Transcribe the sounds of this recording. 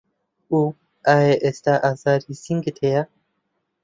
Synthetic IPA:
u | aeʔɛst̪aʔazaɾisiŋɡet̪ʰeja

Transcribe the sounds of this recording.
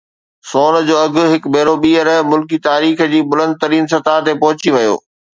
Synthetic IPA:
soːn̆d͡ʑoːɐɡʱʊ̆ɦɪkbʱeːɾoɓiːəɾəmʊlkit̪aːɾiːxd͡ʑiːbʊlə̃nd̪̚t̪ɐɾiːnsɐt̪aɦt̪epɐɦʊt͡ɕiʋɐjo̰ː

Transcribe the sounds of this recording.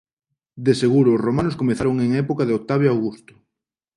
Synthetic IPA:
d̪eseɣuɾoːzromanʊskomeθaɾoŋeŋɛpokaðeok̚t̪aβ̞jawɣust̪ʊ̥

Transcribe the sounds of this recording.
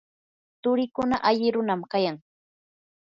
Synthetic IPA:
t̪ʊɾɪkʊnaʔaʎɪɾʊnamkajaŋ

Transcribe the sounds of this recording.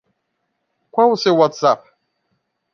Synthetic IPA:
kʷawusewatsap̚

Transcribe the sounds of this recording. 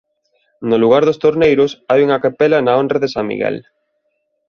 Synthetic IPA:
noluɣ̞aɾðost̪oɾnejɾʊsajuŋɐkapɛlɐnɐondraðesaŋmḭɣɛ̰l

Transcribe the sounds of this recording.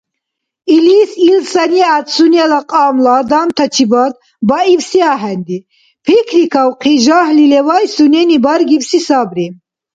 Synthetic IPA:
ilisilsaniat̪sunɛlaqʼamlad̪amt̪ʰat͡ʃʰibad̪̚ | baivsiaɦɛnd̪i | pʰikʰɾikʰawqʰiʒahlilɛvajsunɛnibaɾɡipsisabɾi

